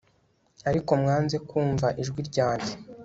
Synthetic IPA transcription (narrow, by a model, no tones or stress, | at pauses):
aɾiko̞mŋaːnze̞kuːɱvaʔiʒɡwiɾɟaːɲɟe